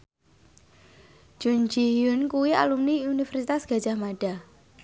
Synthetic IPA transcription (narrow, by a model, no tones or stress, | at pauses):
ʒ̥und͡ʒijʊnkuwia̰lumniunifɛrsit̪asɡ̥a̤d̥d͡ʒ̥ahmaɖ̥a